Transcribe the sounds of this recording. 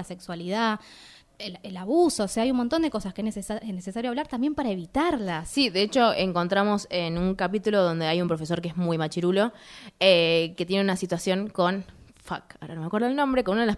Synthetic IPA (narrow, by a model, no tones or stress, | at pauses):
asekswaliða | eelaβuso̞ːseaajumont̪ond̪eko̞saskeenenesesaɾjoaβlaɾt̪ambje̞mpaɾae̞βit̪aɾlasiðe̞et͡ʃo̞eŋko̞nt̪ɾamo̞senuŋkap̬it̪uloðo̞nd̪e̞ajumpɾofe̞s̬o̞ɾkeezmujmat͡ʃiɾulo̞eket̪je̞neunasit̪wasjo̞ŋko̞n | fa̰kaoɾa̰nomekweɾðoelnõmbɾe̞konunaðela